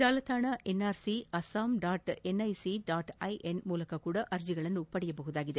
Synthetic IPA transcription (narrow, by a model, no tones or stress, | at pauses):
d͡ʒaːlɐt̪ːaːnɐʔɛnaːɾsiɐsaːmɖaːʈɛnɐɪsiɖaːʈɐɪʔɛnmuːlɐkːɐkːuːɽɐʔɐɾd͡ʒɪɣɐɭɐnʊpːɐɽɪjɐp̬ɔɣɯðaːɣɪðɯ